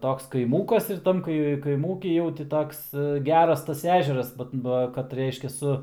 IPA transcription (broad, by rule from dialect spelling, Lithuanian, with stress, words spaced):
ˈtoːks kɐɪˈmuːkɐs ɪr ˈtɐm kɐɪ kɐɪˈmuːkʲiː jɛʊ tʲɪ ˈtoːks ˈɡʲæːrɐs tɐs ˈæːʒʲɛrɐs bɐt ˈbɐ kɐt ˈrʲɛɪʃʲkʲɛ ˈsʊ